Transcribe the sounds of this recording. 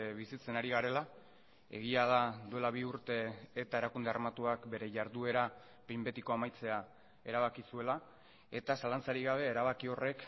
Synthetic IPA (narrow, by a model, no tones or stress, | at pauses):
βisit͡se̞naɾiɣaɾe̞la | e̞̰ɣiaðad̪ue̞laβ̞iuɾt̪e̞ːt̪ae̞ɾakund̪earmat̪uakbe̞ɾe̞ʝaɾðue̞ɾa | pimbe̞t̪iko̞amajt͡se̞a | e̞ɾaβ̞akisue̞la | e̞t̪asalant͡saɾiɣaβ̞e̞ːɾaβ̞akio̞re̞k